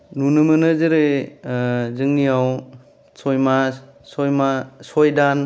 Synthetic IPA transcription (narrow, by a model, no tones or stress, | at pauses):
nunɯmɯnɯzɯɾe | zɯŋnijaw | sɔjma | sɔjmasɔjdan